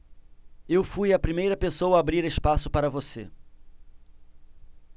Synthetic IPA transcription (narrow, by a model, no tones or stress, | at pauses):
ewfujɐpɾimejɾɐpesowɐːbɾiɾespasʊpaɾɐvosḛ